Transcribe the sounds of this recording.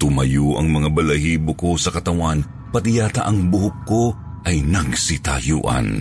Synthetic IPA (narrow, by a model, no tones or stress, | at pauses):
t̪ʊmɐjoʔɐ̰ŋmɐŋabɐlɐhiːbokosɐkɐt̪ɐwan | pɐt̪ɪjaːt̪aʔɐŋbʊhʊp̚ko | ʔɐjnɐɡsɪt̪a̰jṵːʔɐ̰n